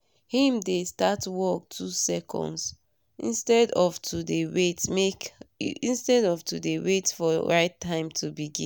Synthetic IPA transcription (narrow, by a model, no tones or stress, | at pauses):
hĩmdestatwɔk̚tʰusɛkʰɔ̰̃nds | ḭ̃nstɛdɔvtʰudewetmekĩnstɛdɔvtʰudewetfɔɹaɪtʰːãɪ̃mtʰubiɡḭ̃n